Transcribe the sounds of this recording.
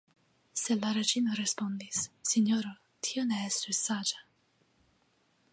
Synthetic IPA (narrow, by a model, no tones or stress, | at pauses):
selaɾet͡ʃinoɾespond̪isːiɲoɾo | t̪ʰioneɛsːusad͡ʒḁ